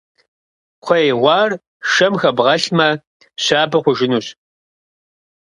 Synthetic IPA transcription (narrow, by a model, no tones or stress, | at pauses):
qʷʰɔjʁʷɑːr | ʃɐmxɐbʁɐɬmɐ | ɕaːbɐχʷʊʒɪnuːɕ